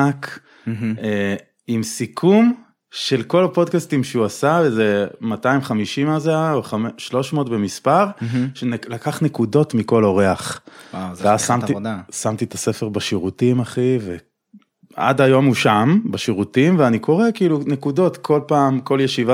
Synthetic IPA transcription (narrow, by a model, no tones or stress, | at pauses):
ak | e | imsikʰum | ʃe̞lko̞lapo̞dkastimʃeuasavezemataimχamiʃimazeaoχamʃlo̞ʃmoːtbemispaʁʃenlakaχne̞kudo̞tmiko̞lo̞ʁeaχazveazsamt̪idsamt̪it̪ase̞feʁbaʃiʁutimaχive | a̰dajo̞muʃambaʃiʁutimveaniko̞ʁe̞kiːlunekudo̞tkʰo̞lpaːmko̞ljeʃiva